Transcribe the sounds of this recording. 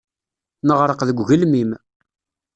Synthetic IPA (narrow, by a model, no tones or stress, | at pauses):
nəʁɾˤəqðəɡʷʝəlmim